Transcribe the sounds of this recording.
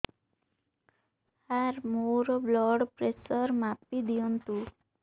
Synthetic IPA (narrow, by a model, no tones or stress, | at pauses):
haɾmoɾɔblɔɽpɾesɔɾmapid̪ijɔnt̪u